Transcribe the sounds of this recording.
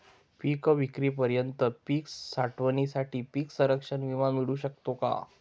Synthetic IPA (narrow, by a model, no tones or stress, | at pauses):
pikəʋikɾipəɾjənt̪əpiksaʈʋənisaʈiːpiːksəɾəkʂənʋimamiɽuːɕək̚t̪oka̰